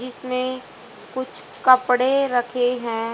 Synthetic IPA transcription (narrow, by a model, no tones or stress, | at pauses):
d͡ʒɪsmẽ | kʊt͡ʃʰ | kɐpɽeɾɐkʰeɦɛ̃ː